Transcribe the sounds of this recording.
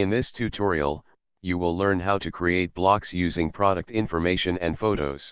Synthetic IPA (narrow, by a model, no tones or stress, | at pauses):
ɨ̃nðɪstʰʉtʰɔɹḭl̩ˠ | jɨwɪlˠlɜ̃˞nɦaʊɾɨkʰɹ̥ieɪt̚b̥lɑksjʉzɪ̃ŋpʰɹ̥ɑɾɨk̚tɪ̃ɱfə˞meɪʃɨ̃nɨ̰̃nfoʊɾo̰ʊz̥